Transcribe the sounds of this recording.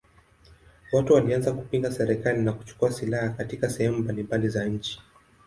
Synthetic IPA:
watuwalianzaku̥piŋɡasɛɾɛkalinaku̥t͡ʃu̥kuasilahakatikasɛhɛmumbalimbalizaɲ̩t͡ʃi̥

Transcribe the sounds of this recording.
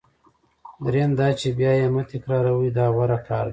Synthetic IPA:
d̪ɾend̪ɑt͡ʃebjɑːjemət̪ɪkɾɑːɾawid̪ɑːwaɾakʰɑːɾd̪i

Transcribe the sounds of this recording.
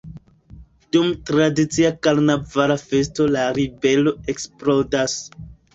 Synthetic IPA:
dumtɾadit͡siakaɾnavaɾafe̞s̬to̞laɾibe̞lo̞e̞ksplo̞das

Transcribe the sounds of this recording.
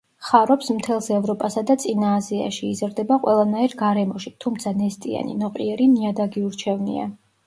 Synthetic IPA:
χaɾɔpsmt̪ʰɛlˠsɛvɾɔpʼasad̪at̪sʼinaːzia̰ʃiːzɾd̪ɛbaqʼwɛlˠanaiɾɡaɾɛmɔʃit̪ʰumt̪sʰanɛst̪ʼḭa̰nḭnɔqʼiɛɾiniad̪aɡiuɾt͡ʃʰɛvnḭa̰

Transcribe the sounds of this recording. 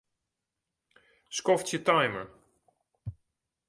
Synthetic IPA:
skɔftjətajmə̰˞

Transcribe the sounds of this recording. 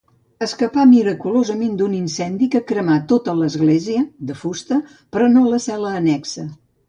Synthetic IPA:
əskəpamiɾəkulozəmend̪uninsɛnd̪ikəkɾəmat̪ot̪ələzɣleziəd̪əfust̪ə | pɾɔnoləsɛləːnɛksə

